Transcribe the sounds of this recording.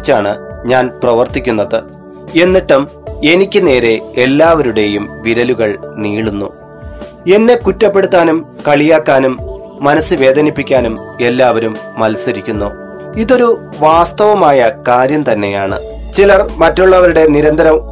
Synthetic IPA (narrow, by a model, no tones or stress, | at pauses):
t͡ɕːaːɳɨɲaːnprɐʋɐrt̪ikʲːunːɐðɨ | e̞nːiʈːum | e̞nikʲːɨne̞ːɾe̞elːaːʋɐɾuɽe̞jumʋiɾɐluɣɐɭniːɭunːṵ | e̞nːe̞kutːɐpːe̞ɽut̪ːaːnumkɐɭijaːkːaːnumː | ɐnɐsːɨʋe̞ːd̪ʱɐnipːikʲːaːnume̞lːaːʋɐɾumːɐlsɐɾikʲːunːu | iðo̞ɾu | ʋaːst̪ɐʋɐmaːjɐkaːɾjɐmt̪ɐnːe̞jaːɳɨ̰ | t͡ɕilɐrmɐtːuɭːɐʋɐɾuɽe̞niɾɐnd̪ʱɐɾɐm